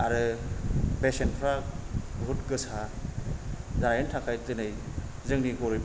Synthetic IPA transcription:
aɾɯ | pesenpʰɾabʱutkɯsa | zaɾajentʰakʰajtɯnɯj | zɯŋniɡɔɾɯjb

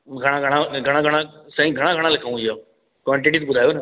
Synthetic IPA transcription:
ɡʱɐɽ̃ãɡʱɐɽ̃ãɡʱɐɽ̃ãɡʱɐɽ̃ãsɐĩɡʱɐɽ̃ãɡʱɐɽ̃ãlɐkʰaũija | kʋãɳʈɪʈit̪bʊd̪ʱaːjoːnə

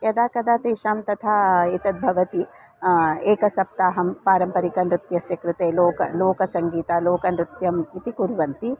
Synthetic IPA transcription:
jɐd̪aːkɐd̪aːt̪eːʃaːmt̪ɐt̪ʰait̪ɐd̪̚bʱɐʋɐt̪i | eːkɐsɐp̚t̪aːɦɐmpaːɾɐmpɐɾikɐnɾɪt̪jɐsjɐkɾut̪eːloːkɐloːkɐsɐŋɡiːt̪aːloːkɐnɾɪt̪jɐmit̪ikuɾʋɐnt̪i

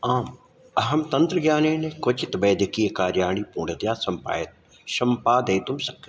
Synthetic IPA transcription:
aːm | ɐɦɐmt̪ɐnt̪ɾəɡjaːneːnekot͡ʃɪt̪bɛːd̪ʱɪkiːɐkaːɾjaːɽ̃ipuːɽət̪jaːsɐmpa̰ːjɐt̪̚ | ʃɐmpaːd̪eːt̪umsɐkː

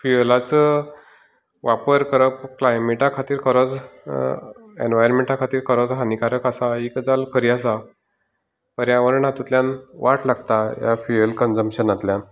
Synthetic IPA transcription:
fiəlat͡sə | ʋapəɾkəɾəpklajmeʈakʰat̪iːɾkʰəɾɔd͡z | ḛnʋajəɾmeɳʈakʰat̪iːɾkʰəɾɔd͡zɦanikaɾəkasaikd͡zalkʰəɾias̬a | pəɾjãʋəɾɳat̪ut̪ljãnʋaʈlaɡt̪ajafiəlkənd͡zəmpɕənat̪lja

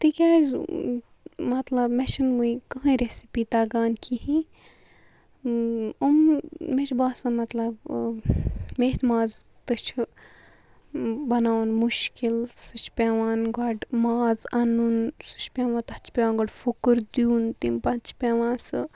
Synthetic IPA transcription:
t̪ikʲaːz | mɐt̪lɐbmeʃʰɐnmuikɐɦɐ̃ɾesipiːt̪aːɡaːnkʰihi | ummet͡ʃʰbaːsɐnmɐt̪lɐb | meːt̪maːzt̪ɨt͡ʃʰ | bɐnaːnmuʃkilsɨt͡ʃʰpʲaʋaːnɡɐɖmaːzɐnunsɨ̥t͡ʃʰpʲaːʋãt̪ɐt͡ʃʰpʲeaːnɡɐɖfukɨɾd̪junt̪impɐnt͡ʃʰpʲaʋãːnsɨ

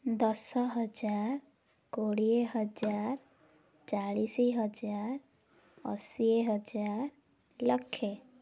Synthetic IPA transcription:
d̪ɔsɔɦɔd͡ʒaɾ | koɽieɦəd͡ʒaɾ | t͡ʃaɭisiɦʌd͡ʒaɾ | ə̰sieɦəd͡ʒaɾ | ləkʰːe

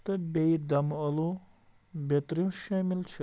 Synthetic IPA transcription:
t̪ɐbejd̪ɐmɔlu | bet̪ɾimʃɐːmilt͡ʃʰi

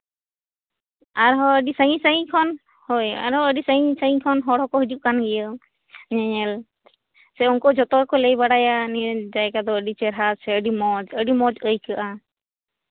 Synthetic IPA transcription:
aɾɦɔəɖisəŋĩsəĩkʰɔn | hɔja̰ɾɦɔəɖisəjĩsəikʰɔnɦɔɽɦɔkɔɦid͡ʒuʔ̚kanɡɛjə | ɲɛɲɛl | sɛɔnkɔd͡ʒɔt̪ɔkɔlejbaɽajanid͡ʒajkad̪ɔəɖit͡ʃɛɾɦasʰɛəɖimɔd͡ʒəɖimɔd͡ʒəjkəʔa

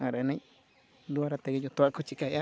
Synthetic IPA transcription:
ãɾnẽ | d̪uaɾat̪ekijot̪uakut͡ʃikaja

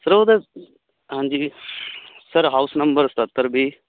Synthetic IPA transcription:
səɾod̪e | ɦãːnd͡ʒiː | səɾɦaːʊsnəmbəɾst̪ət̪ːəɾbʱiː

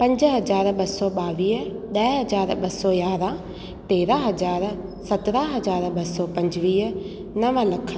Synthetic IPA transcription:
pɐ̃ɲd͡ʒɦɐzaːɾɓɐsɔɓaːʋiːɦɗ̪ɐɦɐd͡ʒaːɾɓɐsɔjaːɾã | t̪eːɾaɦɐd͡ʑaːɾ | sɐt̪ɾaɦɐd͡ʑaːɾɓɐsɔpɐ̃ɲd͡ʒʋiːɦ | nɐʋəlɐkʰə

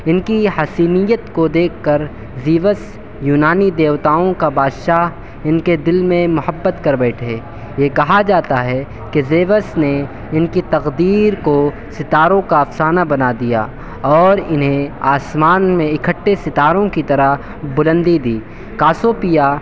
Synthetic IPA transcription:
ɪnkihɐsiːnijət̪kod̪eːkʰːəɾ | ziːʋəs | juːnaːnid̪eːʋt̪aːõkabaːd̪ʃaːɦ | ɪnked̪ɪlmẽmʊhəbːət̪kɐɾbɛːʈʰeː | jekɐɦad͡ʒaːt̪aɦɛ | kezeːʋəsne | ɪnkit̪ɐqd̪iːɾko | sɪt̪aːɾõkaɐfsaːnabɐnad̪ija̰ː | ɔːɾɪnɦẽaːsmaːnmẽɪkʰəʈːesɪt̪aːɾõkit̪ɐɾəɦ | bʊlə̃nd̪id̪iː | kaːsoːpija

